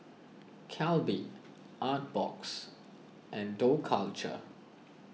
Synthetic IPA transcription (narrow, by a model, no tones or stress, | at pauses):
kʰɛlbiʔ | ʔat̚b̥ɔ̰ks | ʔɛ̃ndokʰalt͡ʃə̰